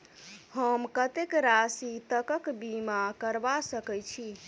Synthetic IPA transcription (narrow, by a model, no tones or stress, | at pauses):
həmkət̪ekɾasit̪əkəkbimakəɾbasəkɛjt͡ʃʰi